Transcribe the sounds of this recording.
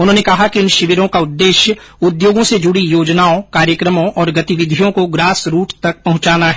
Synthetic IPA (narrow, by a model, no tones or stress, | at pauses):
ʊnɦõːnekɐɦakiɪnʃɪʋɪɾõkaʊd̪ːeːʃjə | ʊd̪joːɡõsed͡ʒʊɽijoːd͡ʒnaːõkaːɾjəkɾəmõʔɔːɾɡɐt̪iʋɪd̪ʱijõkoɡɾaːsɾuːʈt̪ɐk̚pɐɦʊ̃t͡ʃaːnaɦ